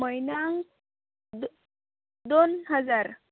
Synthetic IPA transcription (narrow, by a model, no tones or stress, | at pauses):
məjnaŋ | d̪ | d̪onɦəd͡zaɾ